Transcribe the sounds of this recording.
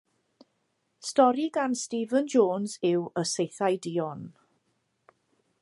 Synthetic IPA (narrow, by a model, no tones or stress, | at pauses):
stɔɾiɡanstiːvənd͡ʒoːnzɪwəsejθajdiːɔn